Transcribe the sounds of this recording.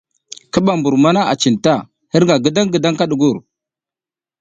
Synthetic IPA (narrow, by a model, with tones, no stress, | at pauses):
kə˦ɓa˨mbu˨ɾma˦na˦ʔa˨t͡ʃi˨nta˦˨ | hə˦ɾŋɡa˨ɡə˦da˦ŋɡə˨da˦ŋka˦ɗu˨ɡu˦˨ɾ